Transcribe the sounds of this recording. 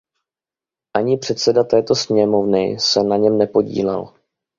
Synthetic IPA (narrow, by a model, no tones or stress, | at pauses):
ʔaɲɪpr̝̥ɛt̪sɛdat̪ɛːt̪o̞sɲɛmo̞vnɪ̰sɛnaɲɛmnɛpo̞ɟḭːlɛ̰l